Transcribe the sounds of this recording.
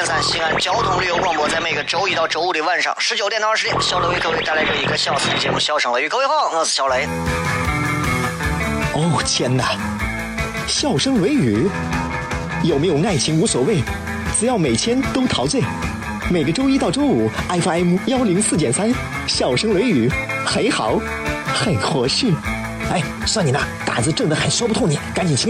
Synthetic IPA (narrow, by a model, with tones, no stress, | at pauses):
nsa˥nɕi˧˥ŋa˧˥nt͡ɕjɑ˥ʊt̪ʰʊ˧˥ŋly˥˩jo˧ʊkwɑ˥˧ŋpwɔ˧˥t͡sa˥˧ɪme˨˩ɪɡə˧˦ʈ͡ʂo˥ʊi˧˥t̪ɑ˥˩ʊʈ͡ʂo˥ʊu˧˩li˧˩wa˥˧nʂɑ̰˥˩ŋʂɻ̩˧˥t͡ɕjʊt̪j̪ɻ̩˧˥jɛ˥˧nɕjɑ˥˧ʊʈ͡ʂo˥i˧˥kʰɤ˥˧wt̪a˥˧la˧˥ɪʈ͡ʂə˥˧˩i˧˥ɡə˧ɕjɑ˥˩ʊs̩˥t͡ɕjɛ˧˥mu˥˧ɕjɑ˥˧ʊʂɤ˥ŋlə˧y˧˥wxwɑ˥˧˩ŋa˥˩sɹ̩˨˩ɕjɑ˥ʊle˧˥ɪ | o˥˩t͡ɕʰjɛ˥nə˨ | ɕjɑ˥˩ʊʂɤ˥ŋlwe˧˥ɪy˨˧˩ | jo˨˩ʊme˧˥jo˨˩ʊŋa˥˩ɪt͡ɕʰi˧˥ŋu˧˥swɔ˨˩we˥˩ɪ | ʈ͡ʂɹɻ̩˧˥jɑ˥˩ʊme˨˩ɪt̪ʰjɛ˥nt̪o˥ʊt̪ʰɑ˧˥ʊt͡swe˥˩ɪ | me˨˩ɪɡə˧ʈ͡ʂo˥ʊi˥t̪ɑ˥˩ʊʈ͡ʂo˥ʊu˨˩˦a˥ɪfa˥ɪmu˥jɑ˥ʊli˧˥ŋsɹ̩˥˩t͡ɕ̬jɛ˨˩nsa˥n | ɕjɑ˥˩ʊʂɤ˥ŋlwe˧˥ɪy˨˧˩xə˧˥nxɑ˨˩˦ʊ | xə˨˩nxɤ˧˥ʂɻ̩˥˩ | a˥˩ɪswa˥˩ni˨˩na˥˧˩t̪a̰˨˩t͡sɹ̩˧ʈ͡ʂɤ˥˩ŋd̪ə˧˩xa˨˩nswpu˧t̪ʰʊ˥˩ŋni˨˩˦ka˧˥nt͡ɕi˨˩nt͡ɕʰi˧˥